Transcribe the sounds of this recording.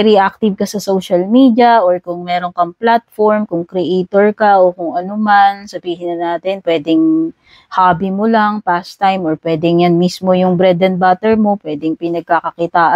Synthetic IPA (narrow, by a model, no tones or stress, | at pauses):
ɾiʔak̚t̪ɪvkɐsɐsowʃɐlmiːd̪jɐʔoɹkʊŋmɛːɾo̞nkɐŋplat̪̚foɹmkʊŋkɾɛʔɛt̪oɹkɐʔokʊŋʔɐnomansɐbiːhɪnɐnaːt̪ɛnpwɛːd̪ɪŋ | haːbimolaŋpast̪ajmʔoɹpwɛːd̪ɛŋjanmismo̞jʊŋbɾɛd̪ɛnbat̪ɛɹmo̞pwɛːd̪ɛŋpɪnɐɡ̚kakɐkɪt̪aːʔa